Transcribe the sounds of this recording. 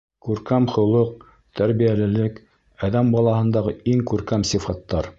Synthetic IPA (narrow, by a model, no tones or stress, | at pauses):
kʉɾkæmχŏlˠɤq̚ | t̪æɾβijælɘ̆lɘk | æðæmbɑlˠɑhɤ̆nd̪ɑʁɤiŋkʉɾkæmsifɑt̪ːɑɾ